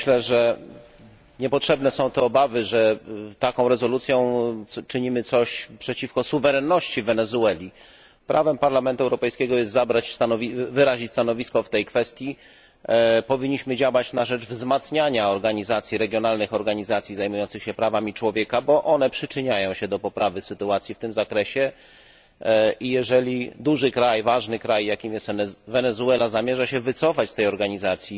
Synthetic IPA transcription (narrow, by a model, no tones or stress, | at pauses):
ɕlɛʐɛ | ɲɛpɔtʂɛbnɛsɔ̃w̃t̪ɛɔbavɘʐɛt̪akɔ̃w̃ɾɛzɔlut̪sʲjɔ̃w̃t͡ʂɘɲimɘt̪sɔɕpʂɛt͡ɕifkɔsuvɛɾɛnːɔɕt͡ɕivɛnɛzuɛlʲi | pɾʔavɛmpaɾlamɛnt̪uɛwɾɔpɛjskʲɛɡɔjɛst̪zabɾat͡ɕst̪anɔvʲivɘɾaʑit͡ɕʲst̪anɔvʲiskɔft̪ɛjkfɛst̪ʲji | pɔvʲiɲːiɕmɘd͡ʑawat͡ɕnaʐɛvzmat̪sɲaɲaɔɾɡaɲizat̪sʲjiɾɛɡʲjɔnalnɘxɔɾɡaɲizat̪sʲizajmujɔnt̪sɘxɕɛpɾavamʲit͡ʂwɔvʲjɛkabɔʔɔnɛpʂɘt͡ʂɘɲajɔ̃w̃ɕɛd̪ɔpɔpɾavɘsɘt̪uat̪sʲjift̪ɘmzakɾɛɕɛ | ʔijɛʐɛlʲid̪uʐɘkɾajvaʐnɘkɾajjakʲimjɛst̪vɛnɛzuɛlazamʲjɛʐaɕɛvɘt̪sɔfat͡ɕst̪ɛjɔɾɡaɲizat̪sʲji